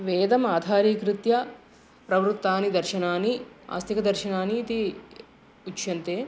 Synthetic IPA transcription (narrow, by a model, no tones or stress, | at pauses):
ʋɛːd̪ɐmaːd̪ʱaːɾiːkɾut̪jɐ | pɾɐʋɾut̪ːaːnid̪ɐɾʃɐnaːnia̰ːst̪ikɐd̪ɐɾʃɐnaːniːt̪i | ut͡ʃjɐnt̪eː